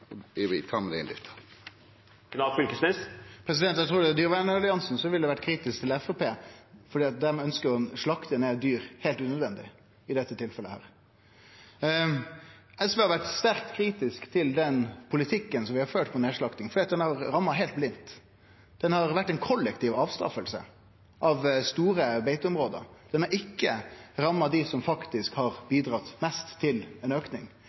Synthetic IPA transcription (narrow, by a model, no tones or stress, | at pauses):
ɪʋɪt̪ʰɑːmɛd̪ɛɪnd̪ɪ̰ft̪ʰə̥ | knɑlfʏlkəsmɪspʰɾɛs̬ɪd̪ɛnt̪jæt̪ʰɾuːɖɛd̪yːɾʋænəɑlɪɑnsn̩sɔʋɪld̪ɛʋæʈkʰɾiːt̪ɪsk̚t̪ʰɪlɛfopeːfɔɖiːɑt̪̚d̪æɾmɛœnskəɾɔʂɭɑkt̪əned̪yːɾheːlt̪ʉnəd̪ʋɛnd̪ɪ̰ | ɪd̪ɛt̪ːət̪ʰɪlfɛləhæ̰ːɾ | ɛsʋeːhɑɾʋæʈst̪æɾk̚t̪kʰɾiːt̪ɪskt̪ʰɪld̪ɛnpʰʊlɪt̪ʰɪkːənsɔmʋɪhɑɾføːʈpʰɔneːʂɭɑkt̪ɪŋfɔɖ̪iːt̪̚d̪ɛnhɑɾɾɑmːɑɦɛɪlt̪̚blɪnt̪ | d̪̥ɛnhɑɾʋæʈːɛɪnkʰɔlːɛkt̪iːʋɑːʋst̪ɾɑ̰fəlsə̰ | ʔɑʋst̪uːɾəbeɪt̪ʊmɾoːd̪ə̰ɾd̪̥ɛnɑɾɪkːəɾɑmːɑd̪ɪsɔmfɑkt̪ɪskhɑɾbiːd̪ɾɑt̪ːmɛst̪ʰːɪlɛnøːknɪ̰ŋ